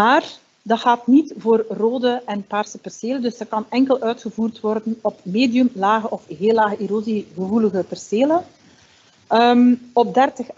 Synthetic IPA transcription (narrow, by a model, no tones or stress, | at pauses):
aːr | dɑxaːtnitvoːrroːdəʔɛnpaːrsəpɛrseːləndɵsdɑkɑnɛŋkəlˠʔœɥtxəvuːrtʋɔrdənɔpmeːdijəmlaːɣəʔɔfɣeːlaːɣəʔiɾoziɣəvuləɣəpɛrseːlə | əmɔb̚dɛrtəx